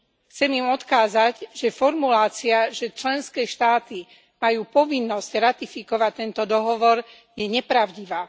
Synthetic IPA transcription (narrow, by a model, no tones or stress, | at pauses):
xt͡sɛmimɔt̪kaːzaɟʒ̥ɛfɔɾmulaːt͡siaʒɛt͡ʃlɛnskɛːʃt̪aːt̪i | majuːpɔʋinːɔscɾat̪ifikɔʋact̪ɛnt̪ɔd̪ɔɦɔʋɔɾ | jɛɲɛpɾaʊɟiʋaː